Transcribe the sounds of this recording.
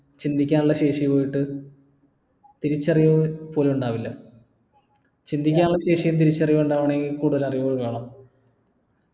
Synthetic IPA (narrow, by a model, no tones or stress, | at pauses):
t͡ɕind̪ʱikʲːaːnuɭːɐɕe̞ːʂijpo̞ːjiʈːɨ | t̪iɾit͡ɕːɐrijpo̞ːleuɳɖaːʋilːɐ | t͡ɕind̪ʱikʲːaːnuɭːɐɕe̞ːʂijumt̪̬iɾit͡ɕːɐrijɐuɳɖaːʋɐɳe̞ŋɡilkuːɽuðɐlɐrijuɣɐɭkaːɳɐm